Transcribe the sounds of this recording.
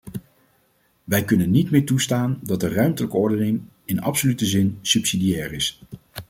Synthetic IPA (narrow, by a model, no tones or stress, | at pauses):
ʋɛjkɵnənːitmɪːɹtustaːndɑt̚dərœɥmtələkəɔɹdənɪŋ | ɪnɑ̰psolytəzɪnsypsidijɛːrɪs